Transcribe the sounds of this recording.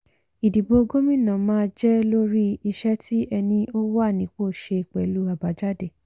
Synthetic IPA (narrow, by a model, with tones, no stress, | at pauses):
i˨di˨bo˧ɡo˦mĩ˦˨nã˨mãː˦d͡ʒɛ˦lo˦ɾi˦i˧ʃɛ˦tʰi˦ɛ˧nĩ˧ʔo˦wa˦˨nĩ˨˦k͡po˦˨ʃe˧i˨k͡pɛ˨lu˨˦a˨ba˨˦d͡ʒa˦de˦˨